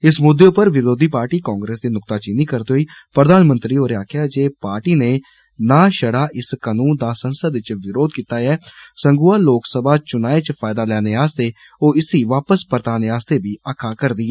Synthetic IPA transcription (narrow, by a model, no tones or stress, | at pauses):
ɪsmʊd̪ːeːʊpːəɾʋɪɾoːd̪iːpaːɾʈiːkɔ̃ːŋɡɾeːsd̪eːnʊkt̪aːt͡ʃɪniːkəɾd̪eːɦoiːpɾəd̪aːnmə̃nt̪ɾiːoːɾeːaːkʰjaːd͡ʒeːpaːɾʈiːneː | naːʃəɽaːʔɪskənũːnd̪aːsənsəɪt͡ʃʋɪɾoːd̪kiːt̪aːɛːsəŋɡuːaːloːksəbaːt͡ʃʊnaːeːt͡ʃpʰaːɪd̪aːlɛːneːaːst̪eː | oːɪsiːʋaːpəspəɾt̪aːneːaːst̪eːbiːaːkʰːaːkəɾd̪iːɛː